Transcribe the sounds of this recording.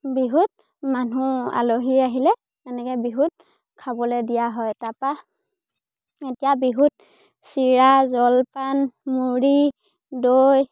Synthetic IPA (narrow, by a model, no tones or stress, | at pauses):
biɦut̚ | manua̰loɦiaɦilɛ | manɛkɛbiɦut̚ | kʰabɔlɛdijaɦɔjtapa | etijabiɦut̚ | siɹazɔlpanmuɹi | doj